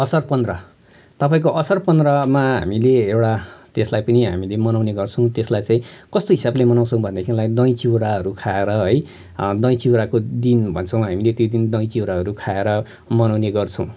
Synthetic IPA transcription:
ʌsʌrpʌnd̪rʌ | t̪ʌpaĩkoʔʌsʌrpʌnd̪rʌmaɦa̰mileewʈat̪eslajpʌniɦamilemʌnawneɡʌrt͡sʰʌ̃w̃t̪eslajt͡sãĩkʌst̪oɦisablemʌnaw̃t͡sʰʌ̃w̃bʱʌnd̪akʰinlajd̪ʌj̃t͡siwɾaɦʌɾukʰaeɾʌɦʌj | d̪ʌ̃j̃t͡siwɾakod̪inbʱʌnt͡sʰʌwmɦamilet̪jod̪ind̪ʌj̃t͡siwɾaɦʌɾukʰaeɾʌ | mʌnawneɡʌrt͡sʰʌ̃w̃

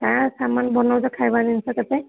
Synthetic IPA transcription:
kãsamanbɔnɔwzɔkʰajbaninsakat̪ɛ

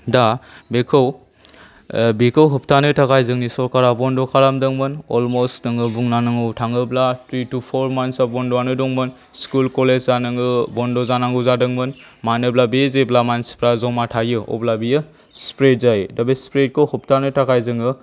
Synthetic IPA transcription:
dabekʰɯw | bikɯwɦɯp̚tʰanɯtʰakʰajzɯŋnisɔɾkaɾabɔndɔkʰaɾamdɯŋmɯnɔlmostnɯŋɯbuŋnanɯŋɯwtʰaŋɯblatʰɾitupʰɔɾmansabɔndɔanɯdɔŋmɯn | skulkɔlezzanɯŋɯbɔndɔzanaŋɡɯzadɯŋmɯn | manɯblabezeblamanspɾazɔŋmatʰajɯɔ̰blabijɯ | spɾet̚zajdabespɾet̚kɯwhɯp̚tʰanɯtakajzɯŋɯ

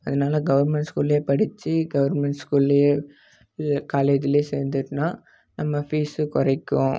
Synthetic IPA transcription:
ɐðɐnaːlɐɡɐʋɐɾmɛɳʈskuːleːpɐɽɪt͡ʃːiɡɐʋɐɾmɛɳʈskuːle | kaːlɐt̪ːɪleːseːɾnd̪ɯʈnaː | nɐmːɐfiːsɯkʊɾɐɪkːʊ̰̃

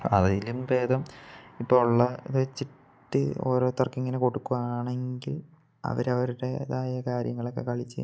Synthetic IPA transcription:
ɐ̰ðilumbe̞ːd̪ɐmipːoːuɭːɐðet͡ɕːi | ʈːɨo̰ːɾo̞ːt̪ːɐrkːiŋːɐneko̞ɽukːuʋaːɳe̞ŋɡil | ɐ̰ʋɐɾɐʋɐɾuɽe̞ðaːjɐkaːɾjɐŋːɐɭokːe̞̰kɐɭit͡ɕːej

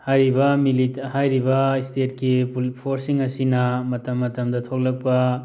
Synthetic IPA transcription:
hajɾibɐmilithajɾibɐistet̚kippʰoɾsiŋɐsinɐmɐtɐmːɐtɐmdɐtʰow̚lɐk̚pɐ

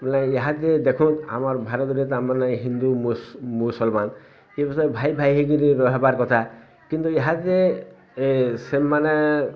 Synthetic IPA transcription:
belajeɦat̪ed̪ekʰũt̪a̰maɾbʱaɾɔt̪ɾet̪amanajɦind̪umumusɔlman | ebisɔɾebʱajbʱajɦeɡiɾeɾɔɦebaɾkɔt̪ʰa | kint̪ueɦat̪e | semːana

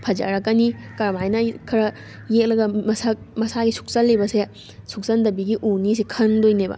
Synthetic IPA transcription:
pʰɐd͡ʒɐ̰ɾɐkːɐnikɐɾmajnɐkʰɐɾɐ | jek̚lɐɡɐmɐsa | mɐsaɡisu̥k̚sɐlːebɐse | suk̚sɐnd̪ɐbiɡiʔunis̬ikʰɐndojnebɐ̰

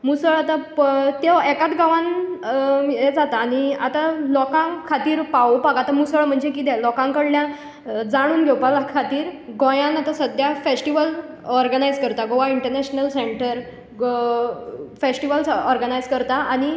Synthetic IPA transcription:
musəɭat̪at̪eɛkat̪ɡaʋãn | ed͡zat̪aːñia̰t̪alɔkãŋkʰat̪iːɾpawopaɡat̪amusəɭm̤əɳd͡zekid̪ɛlɔkãŋkəɽljã | d͡zaɽ̃uːnɡʱewpalakʰat̪iːɾɡõjãnat̪asəd̪ʱjafesʈiʋəl | ɔɾɡənajd͡zkəɾt̪aɡoʋaiɳʈəɾnɛɕnəlseɳʈəɾ | fesʈiʋəlsɔɾɡənajd͡zkəɾt̪aaɽ̃i

